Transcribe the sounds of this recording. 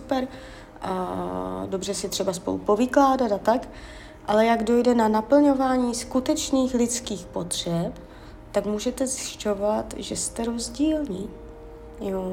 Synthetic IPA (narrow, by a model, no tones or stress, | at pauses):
upɛɾ | do̞br̝ɛsɪt̪r̝̥ɛbaspo̞lṵpo̞vɪklaːdat̪at̪ak | ʔalɛjaɡdo̞jdɛnanapl̩ɲo̞vaːɲiːskut̪ɛt͡ʃniːxlɪt͡skiːxpo̞t̪r̝̥ɛp | t̪akmuːʒɛt̪ɛzjɪʃco̞vat̪ʒɛst̪ɛɾo̞zɟiːlɲiː | jo